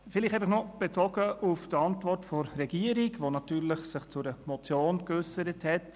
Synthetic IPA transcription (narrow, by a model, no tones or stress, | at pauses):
fɪliχtɛfəχnɔb̥et͡sɔɡəufd̥əɑntvɔrtfɔɾːɛɡiəɾiɡʋonɑtyːɾləχsɪχt͡sʊɾəmɔt͡sjoːnkʏsəɾəthɛt